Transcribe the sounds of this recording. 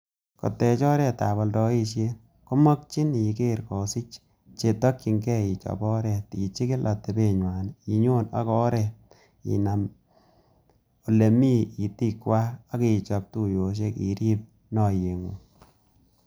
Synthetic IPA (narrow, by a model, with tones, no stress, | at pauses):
kɔ̰˨tɛ˨t͡ʃɔ˦ɾɛ˨ta˨bɔ˨ldɔ˨˦i˧ʃje˦ | ko˦mɔ˦k̚t͡ʃi˦n˨i˨ke˦ɾkɔ˨si˦t͡ʃ | t͡ʃe˨tɔ˦kt͡ʃi˨ŋkɛ˦i˨t͡ʃɔ̰˨bɔ˦ɾɛ˨ti˨t͡ʃi˦kɪ˦lʔa˨te˨be˨ɲwa˨ni˨ɲo˦na̰˨˦kɔ˦ɾɛ˨ | ḭ˨na˨m | o˨le˨mi˦i˨ti˦kwaː˦kɪ˦i˨t͡ʃɔ˨p̚tu˦jo˨ʃ̬e˦kḭ˨ɾi˦p̚ | nɔ˨je˨ŋu˨